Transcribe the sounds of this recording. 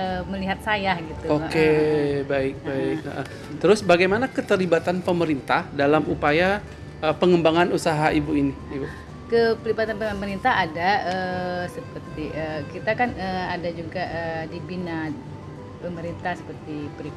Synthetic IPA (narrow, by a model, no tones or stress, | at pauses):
əməliɦat̪̚sajahɡit̪uokebaɪk̚baɪk̚əʔəh | t̪əɾʊsbaɡajmanakət̪əɾlibat̪anpəməɾint̪ahdalamupaja | əpəŋəmbaŋanusaɦaʔibuiniibu | kəpəlibat̪anpəməɾint̪ahadaəsəpərt̪iʔəkit̪akanəadad͡ʒuɡaʔədibina | pəməɾint̪ahsəpərt̪ipəɾi